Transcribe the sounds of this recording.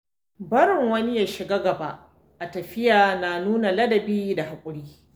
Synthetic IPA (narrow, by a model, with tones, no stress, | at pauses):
bɐ˦ɽɪ˨ŋwɐ˦nɪ˦jaː˨ʃɪ˨ɡa˦ɡɐ˨ba˦ʔ | ʔa˨tɐ˨ɸɪ˦jaː˨na˨nuː˦na˨lɐ˦dɐ˨biː˦da˨ha˨kʷʼʊ˦ɽiː˦